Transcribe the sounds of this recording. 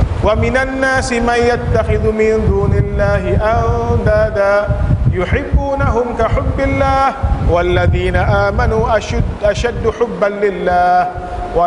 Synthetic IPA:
wamɪnanːaːsɪmanjat̪ːaxɪðmɪnd̪uːnɪlːaːɦɪʔawd̪aːd̪aːjʊħɪbːuːnaɦʊmkaħʊbːɪlːaːhwalːaðiːnaʔaːmanuːʔʔaʃad̪ːʊħʊbːanlɪlːaːh | wa

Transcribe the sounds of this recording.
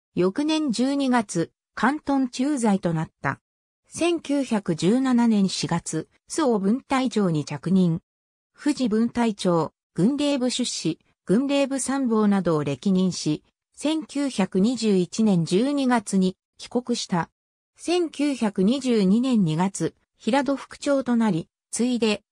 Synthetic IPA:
jo̞kɯ̟nẽ̞ɲ̟d͡ʑɨːɲ̟iɡat͡sɨ | kʰãnt̪õ̞ɲt͡ɕɨːzait̪o̞nat̪ːa̰ | sẽ̞ŋkʲɨːçʲakɯ̟d͡ʑɨːnananẽ̞ɰ̃ɕiɡat͡sɨ | sɨo̞bɯ̟̃nt̪ait͡ɕo̞ːɲ̟it͡ɕakɯ̟ɲ̟ĩŋ | ɸɯ̟ʑibɯ̟̃nt̪ait͡ɕo̞ː | ɡ̥ɯ̟̃nɾe̞ːbɯ̟ɕɨɕːi | ɡ̥ɯ̟̃nɾe̞ːbɯ̟sãmbo̞ːnad̪o̞ːɾe̞kʲiɲ̟ĩɰ̃ɕi | sẽ̞ŋkʲɨːçakɯ̟ɲ̟iʑɨːit͡ɕinẽ̞ɲ̟d͡ʑɨːɲ̟iɡat͡sɨɲ̟i | kʲi̥ko̞kɯ̟ɕi̥t̪a | sẽ̞ŋkʲɨːçakɯ̟ɲ̟iʑɨːɲ̟inẽ̞ɲ̟ːiɡat͡sɨ | çiɾad̪o̞ɸɯ̟̥kɯ̟̥t͡ɕo̞ːt̪o̞naɾʲi | t͡sɨid̪e̞

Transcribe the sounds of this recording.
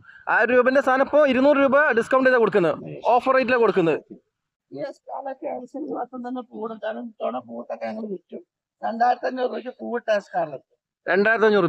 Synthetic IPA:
aːɾuːbɐndest̪ʰaːnɐpːoːiɾunːuːrɨɾuːbɐɖiskɐwɳɖɐt̪ekoɽukːunːɐɨo̞ːfɐrɐjt̬ːilekːoɽukːunːɐðɨ | iska̰ːlɐkːɐsɐnd͡ʑuʋaːt̪ːɐmt̪ɐnːepuːɽud̪aːlumit̪ːoːɳɐpuːʋɐʈːɐkːɐɐŋːɐɭɨʋitːum | ɾeɳɖaːjɾɐt̪ɐɐnːeuruʋɐkʲːɐpuːʋɐʈːaskaːɾlɐt̪ːɨ | ɾeɳɖaːjɾɐt̪ːɐɲːuru

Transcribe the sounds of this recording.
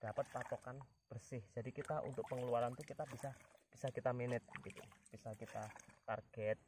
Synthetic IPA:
d̥apət̪̚pat̪okan | b̥ərsɪhd͡ʒadikit̪aʔṵnt̪ʊk̚pəŋəluaɾant̪ukit̪abisab̥isakit̪aminɪt̪̚bəɡit̪ṵb̥isakit̪at̪arɡ̥ɛt̪̚

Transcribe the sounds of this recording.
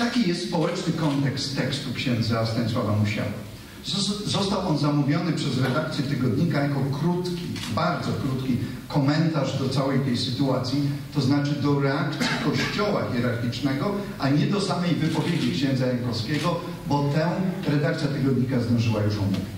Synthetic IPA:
t̪akʲijɛst̪spɔwɛt͡ʂnɘkɔnt̪ɛkst̪ːɛkst̪ukɕɛnd̪zast̪ɛɲʲswavamuɕa̰wa̰ | zɔst̪awʔɔnzamuvʲjɔnɘpʂɛzɾɛd̪ak̚t̪sʲjɛt̪ɘɡɔd̪ɲikajakɔkɾut̪kʲibaɾd̪zɔkɾut̪kʲi | kɔmɛnt̪aʐd̪ɔt̪sawɛjt̪ɛjsɘt̪uat̪sʲjit̪ɔznat͡ʂɘd̪ɔɾɛakt̪sʲikɔɕt͡ɕɔwa̰xʲjɛɾaɾxʲit͡ʂnɛɡɔ | ʔaɲɛd̪ɔsamɛjvɘpɔvʲjed͡ʑikɕɛ̃nd̪zajɛŋkɔskʲɛɡɔ | bɔt̪ɛɾɛd̪ak̚t̪sʲjat̪ɨɡɔd̪ɲikazd̪ɔ̃ʐɘwajuʂumṵvɛ

